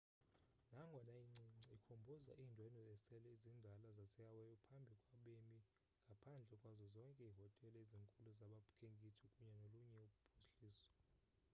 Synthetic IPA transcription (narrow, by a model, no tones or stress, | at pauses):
naŋɡʱɔnaiŋ͡ǀiŋ͡ǀiikʰombʱɔza̰ʔiːndʱwɛnɔɛsɛlɛizindʱalazasɛawɛjɔpʰambʱikʼwaɓemi | ŋɡʱapʰand͡ɮʱɛkʼwazɔzɔŋkʼɛiɦɔtʼɛlɛiziŋkʼuluzaɓapʰu̥kʰeŋɡʱitʰikʼuɲɛnoluɲɛupʰu̥ɬiːsɔ̥